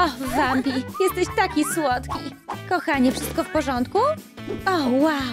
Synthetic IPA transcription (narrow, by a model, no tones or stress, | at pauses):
ɔvambʲijɛst̪ɛɕt̪akʲiswɔt̪kʲikɔxaɲɛfʂɘst̪̚kɔfpɔʐɔnt̪kuɔwa